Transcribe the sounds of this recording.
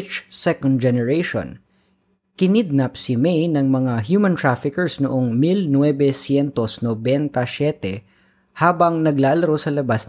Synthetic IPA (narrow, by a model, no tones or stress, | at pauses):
t͡ʃsɛkond̪̚d͡ʒɛnɛɹeʃo̰n | kɪnɪd̪̚nɐp̚sɪmɛjnɐŋmɐŋaɦjumɐ̃nt̪ɹafɪkɛɹsnʊʔoŋmilnwɛbɛsjɛnt̪osnobɛnt̪ɐsjɛt̪ɛ | haːbɐŋnɐɡlaːlɐɾosɐlɐbas